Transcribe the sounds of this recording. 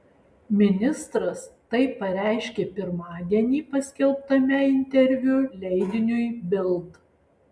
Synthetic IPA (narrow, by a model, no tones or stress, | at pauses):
mʲɪnʲɪst̪ɾɐst̪ɐɪpːɐɾʲæˑɪʃʲkʲeːpʲɪɾmɑːd̪ʲɛnʲiːpɐsʲkʲɛlˠp̚t̪ɐmʲæɪnʲt̪ʲɛɾʲʋʲʊlʲɛɪd̪ʲɪnʲʊjbʲɪlˠt̪